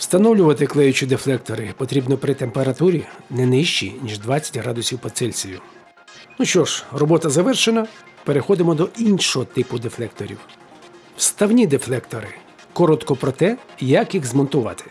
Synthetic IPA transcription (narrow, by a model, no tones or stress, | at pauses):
wst̪ɐnɔwlʲʊʋɐt̪ɪklˠɛjʊt͡ʃid̪eflˠɛkt̪ɔɾɪpɔt̪ɾʲibnɔpɾɪt̪empeɾɐt̪uɾʲinɛnɪʃt͡ʃḭnʲiʒd̪ʋɑt͡sʲɐ̥tʲɦɾɑd̪ʊsʲiwpɔt̪sɛlʲt͡sʲijʊ | nuʃt͡ʃt͡ʃɔʒ̥rɔbɔt̪ɐzɐʋɛrʃenɐ | peɾexɔd̪ɪmɔd̪ɔʔinʃɔɦɔt̪ɪpʊd̪eflˠɛk̚t̪ɔɾʲḭw | wst̪ɐwnʲid̪eflˠɛkt̪ɔɾɪ | kɔɾɔt̪kɔpɾɔt̪ɛjɐkjiɣzmɔnt̪ʊʋɑ̰t̪ɪ̥